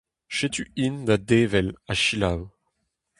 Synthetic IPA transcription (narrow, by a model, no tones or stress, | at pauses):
ʃet̪yind̪ad̪eːvɛlaʃilaw